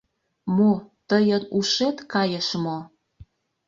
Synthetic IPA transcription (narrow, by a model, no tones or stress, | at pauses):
mot̪əjənuʃet̪kɑjəʃmo